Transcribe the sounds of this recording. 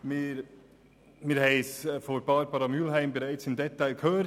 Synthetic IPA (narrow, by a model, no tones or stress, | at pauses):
mɪɾ | miːɾhɛɪsfɔɾb̥ɑɾbɑɾɑmylɦæɪmbəɾaɪt͡sɪmdɛtːaɪlkʰhøːɾ